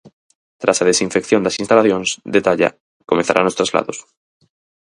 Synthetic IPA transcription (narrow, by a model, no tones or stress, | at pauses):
t̪ɾasað̞esiɱfekθjo̞nd̪asinst̪alaθjonsd̪et̪aʎa̰ | komẽn̟θa̰ɾa̰nost̪ɾazla̰ðos